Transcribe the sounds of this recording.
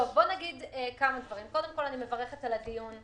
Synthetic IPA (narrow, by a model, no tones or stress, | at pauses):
ovbo̞naɡid̪ekamad̪vaʁimko̞d̪e̞mko̞lanime̞vaʁe̞χetalad̪ijun